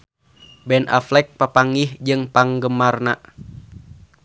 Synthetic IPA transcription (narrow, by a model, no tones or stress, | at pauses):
bɛna̰flɛk̚papaŋihd͡ʒɨŋpaŋɡəmarna̰